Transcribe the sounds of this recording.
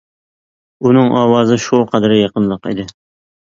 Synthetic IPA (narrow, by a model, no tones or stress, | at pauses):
unɨŋʔɑːwɑːzɨʃuqʰɑd̪ɾjɑqənlˠəqḭd̪ɪ